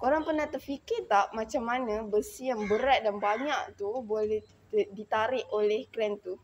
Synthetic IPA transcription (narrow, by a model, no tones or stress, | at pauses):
koɾaŋpərnaht̪ərfikɪrt̪aʔmat͡ʃamːanãbəsijaŋbəɾat̪̚danbaɲaʔt̪ubolɛh̪ | dit̪aɾɪʔolɛhkɾɛnt̪u